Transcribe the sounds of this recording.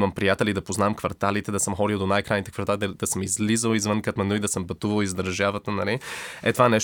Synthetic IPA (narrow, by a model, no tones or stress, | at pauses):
məmpɾijat̪ɛlid̪ɐpoznaɛmkvɐɾt̪alit̪ɛd̪ɐsəmxɔd̪ilˠd̪onajkɾajnit̪ɛkvɐɾt̪ald̪əd̪ɐsəmizlizəlˠizvənkət̪mɛnuid̪ɐsəmpɐt̪uvəlˠizd̪əɾʒavət̪ənɐliɛt̪ovanɛʃ